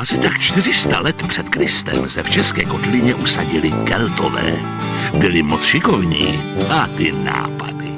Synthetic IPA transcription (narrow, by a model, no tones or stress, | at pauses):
ʔasɪt̪akt͡ʃt̪ɪrɪst̪alɛt̪pr̝̥ɛt̪kɾɪst̪ɛ̰msɛft͡ʃɛskɛːko̞t̪lɪɲɛʔusaɟɪlɪkɛlt̪ovɛ̰ː | bɪlɪmot͡sʃɪko̞vɲiːʔat̪ɪna̰ːpadɪ